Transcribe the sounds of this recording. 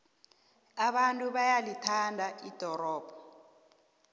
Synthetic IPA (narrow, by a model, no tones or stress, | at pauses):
aɓantʼuɓajalitʰandʱaid̥ʱɔɾɔːb̥ʱɔ